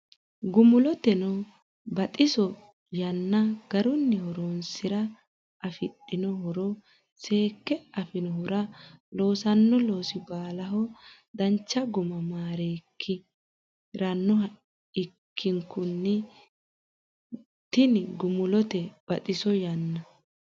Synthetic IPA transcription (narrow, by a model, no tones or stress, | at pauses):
ɡʊmʊlɔt̪ɛnɔ | bɐt̪ʼɪsɔ | jɐnːɐɡ̥ɐɾʊnːɛhɔɾonsɪɾɐ | ɐfɪɗːɪnɔhɔɾɔ | se̞ːkːɛɐfɪnɔɦʊɾɐlo̞ːsɐnːɔlo̞ːsɪbaːlɐɦɔ | d̪ɐnt͡ʃːɐɡʊmɐmaːɾeːkʰːɪ | ɾɐnːɔ | ɪkʰːɪŋkʊnːɛ | t̪ɪnɪɡʊmʊlɔt̪ɛb̥ɐt̪ʼɪsɔjɐnːɐ